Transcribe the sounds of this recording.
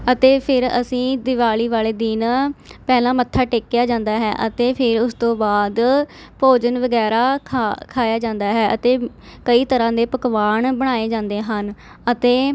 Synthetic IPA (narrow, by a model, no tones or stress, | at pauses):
ət̪eːpʰɪɾə̰sĩːd̪ɪʋaːliːʋaːleːd̪iːnpɛːlãːmət̪ʰːaːʈeːkjaːd͡ʒãːnd̪aːɦɛ̰ːʔət̪eːpʰɪɾʊst̪õːbaːd̪ | poːd͡ʒənʋəɡɛːɾaːkʰaːjaːd͡ʒãːnd̪aːɦɛːʔət̪eː | kəiːt̪əɾãːd̪eːpəkʋaːɳbəɽ̃aːeːd͡ʒãːnd̪eːɦən | ət̪eː